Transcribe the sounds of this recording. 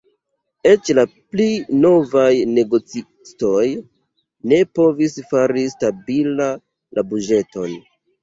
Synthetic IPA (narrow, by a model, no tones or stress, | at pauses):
e̞t͡ʃlaplino̞vajne̞ɡo̞t͡si | sto̞j | ne̞po̞visfaɾistabila | lʔabud͡ʒe̞to̞n